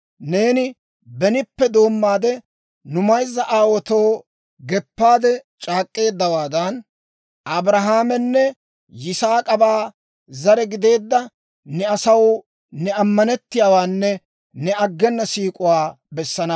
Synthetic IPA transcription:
ne̞ːnɪ | bɛnɪpːɛd̪o̞ːmːaːd̪ɛ | nʊmɐjzːɐʔaːwɔt̪o̞ː | ɡɛpːaːd̪ɛt͡ʃʼaːkʼːe̞ːd̪ːɐwaːd̪ɐn | ɐbɾɐɦaːmɛnːɛ | jɪsaːkʼɐbaː | zɐɾɛɡɪd̪e̞ːd̪ːɐ | nɛɐsɐw | nɛɐmːɐnɛt̪ːɪjaːwaːnːɛ | nɛɐɡːɛnːɐsiːkʼʊwaː | bɛsːɐnɐ

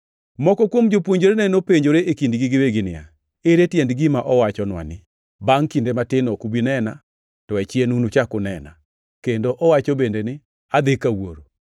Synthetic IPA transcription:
mɔkɔkwomd͡ʒopwoɲd͡ʒoɾenɛnopeɲd͡ʒoɾeʔekindɡɪɡɪweɡɪnɪa̰ | eɾetjɛndɡɪmaʔɔwat͡ʃɔnwa̰nɪ | baŋkindematɪnɔkubinɛna | tɔɛt͡ʃjenunut͡ʃakʊnɛna̰ | kendoʔɔwat͡ʃɔbendenɪ | ad̪ɪkawoɾo

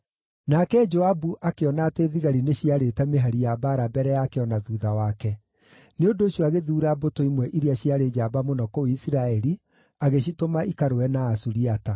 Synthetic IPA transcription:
nakɛd͡ʒoabuʔakeɔnateðiɣaɾineɕiaɾetɛmeɦaɾijabaɾabɛɾɛjaːkeɔnaðuːðawakɛ | neondoːɕjɔaɣeðuːɾabotoimwɛʔiɾiaɕiaɾeːd͡ʒaːbamonɔkɔoisiɾaɛɾi | aɣeɕ̬itomaʔikaɾowɛnaːsuɾiata

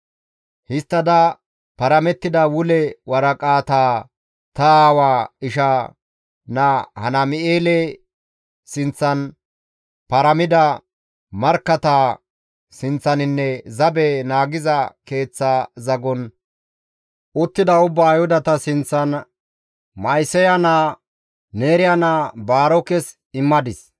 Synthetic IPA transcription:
hɪst̪ːɐd̪ɐ | pɐɾɐmɛt̪ːɪd̪ɐwʊlɛwɐɾɐkʼaːt̪aː | t̪ɐaːwaːɪʃa | nɐhɐnɐmɪʔeːlɛ | sɪnt͡sːɐn | pɐɾɐmɪd̪ɐ | mɐɾkːɐt̪aː | sɪnt͡sːɐnɪnːɛzɐbɛnaːɡɪzɐke̞ːt͡sːazɐɡɔn | ʔʊt̪ːɪd̪ɐʊbːaːjhʊd̪ɐt̪ɐsɪnt͡sːɐn | mɐjsɛjɐnaː | neːɾɪjɐnaːbaːɾɔkɛs | ɪmːɐd̪ɪs

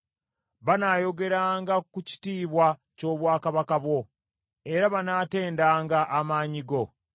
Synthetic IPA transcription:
βanaːjo̞ɡe̞ɾaːŋɡakuci̥tiːβwa | co̞ːβwaːkaβakaβwo̞ | e̞ɾaβanaːte̞ːndaːŋɡaʔːmaːɲiɡo̞

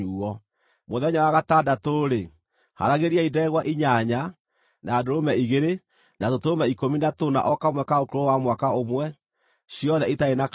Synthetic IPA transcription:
uːɔ | moðɛɲawaɣatadatoːɾe | ha̰ɾaɣeɾiaidɛɣwaʔiɲaɲa | naːdoɾomɛiɣeɾe | natotoomɛikominatona̰ʔɔkamwɛkaokoɾowamwakaomwɛ | ɕiɔðɛitaena

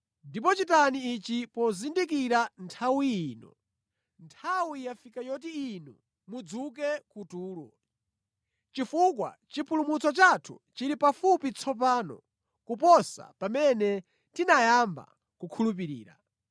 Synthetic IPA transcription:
ndip̬ɔt͡ʃitaniit͡ʃipɔzindikiɾantʰawijiːnɔ̰ | ntʰawijafikajɔt̬iinɔ | mud͡zuk̬ɛkutuːlɔ̰ | t͡ʃifukwa̰t͡ʃipʰulumut͡sɔt͡ʃatʰṵt͡ʃiɾipafupit͡sʰɔp̬aːnɔ̰ | kupɔsa̰pamɛnɛ | tinajamba̰ | kukʰulup̬iɾḭːɾa̰

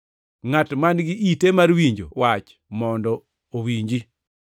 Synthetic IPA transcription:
ŋatmanɡɪʔitemaɾwiɲd͡ʒo̰wat͡ʃ | mɔndɔ | owiɲd͡ʒi

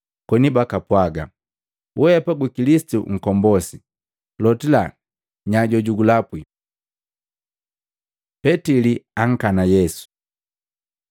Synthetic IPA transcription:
kwɔnibakapwaɡa | wɛpaɡikilisi̥tṵŋ̩kɔmbɔsi | lɔtila | ɲaɟɔɟuɡulapwi | pɛtiliaŋ̩kanajɛsu̥

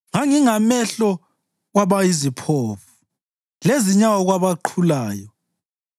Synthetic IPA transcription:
ŋaŋiŋamɛɬɔ | ɣwaβajizipʰoːfu̥ | leziɲawɔɣwaβaǃʰulaːjɔ

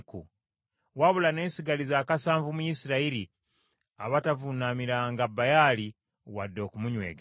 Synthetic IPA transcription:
kṵ | waβulane̞ːnsiɡalizaːkasaːɱvumujisiɾaiɾi | a̰βatavunamiɾaŋɡabajali | wadːo̞kumuɲwe̞̰ːɡe

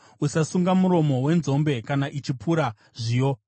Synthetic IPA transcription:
usasuŋɡamuɾo̞mo̞we̞nzo̞mbe̞kanaʔit͡ʃipuɾa | ʐijo̞

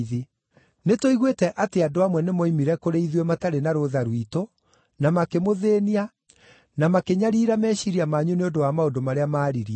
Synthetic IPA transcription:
ðe | netoiɣwetɛʔateadoamwɛnemɔimiɾɛkoɾeiðwemataɾenaɾoðaɾuito | namakemoðeːnia | namakeɲaɾiːɾamɛːɕiɾiamaːɲuneondowamaondomaɾeamaːɾiɾia

